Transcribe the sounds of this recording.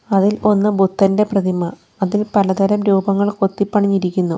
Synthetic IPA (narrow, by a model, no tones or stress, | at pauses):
ɐðilo̞nːɨbut̪ːɐnde̞prɐd̪imɐ | ɐðilpɐlɐt̪ɐɾɐmɾuːbʱɐŋːɐɭko̞t̪ːipːɐɳiɲːiɾikʲːunːu